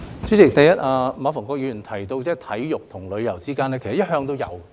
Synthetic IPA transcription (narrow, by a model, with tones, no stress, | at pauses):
t͡sy˨˥t͡sɪ˨k̚t̪ɐ˨jɐ˥t̚ʔaː˧maː˨˥fɔː˨˩ŋkɔː˧k̚jyː˨˧˥y˨˩nt̪ʰɐ˨˩jt̪o˧wt͡sɛː˥˩t̪ʰɐ˨˥jjʊ˨k̚t̪ʰʊ˨˩ŋlɵ˨˧ɥjɐ˨˩wt͡siː˥kaː˥nɛː˥kʰe˨˩sɐ˨˩jɐ˥t̚ɦœː˧ŋt̪o˥wjɐ̰˨˧w